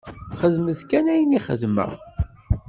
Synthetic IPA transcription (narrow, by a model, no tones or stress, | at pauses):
χəðməθkænæjəniχə̰ðmə̰ʁ